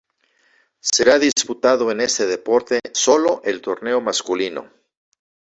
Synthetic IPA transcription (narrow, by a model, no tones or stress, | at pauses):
se̞ɾaðisput̪aðo̞ene̞st̪e̞ðe̞po̞ɾt̪e̞so̞lo̞ʔe̞lt̪o̞ɾne̞omaskulino̞̰